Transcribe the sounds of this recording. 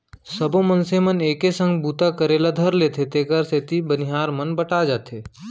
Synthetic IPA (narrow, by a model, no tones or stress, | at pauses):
səbõmənseməneːkesə̃ŋɡbuːt̪akəɾeːlad̪ʱəɾleːt̪ʰet̪eːkəɾset̪ibənɪɦaːɾmənbəʈad͡ʒaːt̪ʰeː